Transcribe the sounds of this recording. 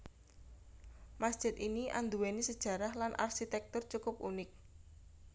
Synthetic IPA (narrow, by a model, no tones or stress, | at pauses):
masd̥ʒ̥ɪ̤t̪iniʔa̰nd̪uwenisəd̥ʒ̥ä̤ɾahlanʔa̰rʃit̪ɛk̚t̪ʊrt͡ʃukʊp̚unɪk̚